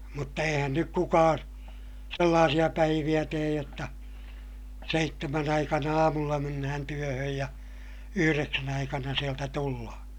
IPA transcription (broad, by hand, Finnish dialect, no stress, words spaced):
mutːɑ eihæn nyk kukɑːn̞ selːɑːsij̆ɑ pæiʋij̆æ teːj jotːɑ seitːemæn ɑikɑnɑ ɑːmulːɑ menːæhæn tyøhøj jɑ yhyreksæn ɑikɑnɑ sieltæ tulːɑhɑ̥